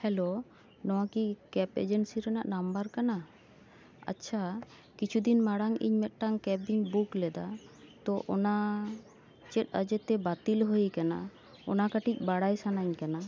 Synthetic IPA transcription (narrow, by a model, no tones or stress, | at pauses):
hɛlo | nɔwakikɛpḛd͡ʒensiɾɛnaʔnambaɾkana | a̰tːʃʰa | kit͡ʃʰud̪inmaɽaŋḭɲmɛt̪̚ˀʈaŋkɛbiɲbuklɛd̪at̪ɔʔɔna | t͡ʃɛt̪̚ˀəd͡ʒɛt̪ɛbat̪ilɦojkana̰ | ɔnakaʈic̚ˀbaɽajsanaɲkana